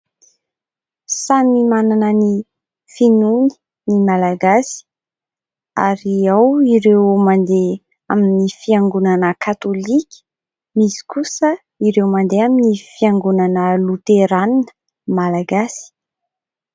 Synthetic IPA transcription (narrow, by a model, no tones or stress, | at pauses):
sanimananəni | finuni̥ | nimalaɡasi̥ | a̰ɾiawiɾewmand̪e | aminifiaŋɡunanəkʰat̪olikʲi̥ | misi̥kusə | iɾewmand̪eaminifiaŋɡunanəlut̪eɾaninə̥ | malaɡasi̥